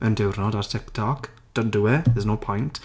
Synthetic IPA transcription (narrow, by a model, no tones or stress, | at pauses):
əndɛwrnɔdartʰɪktʰɔk | d̥əduwɛðɛznowpʰɔjnt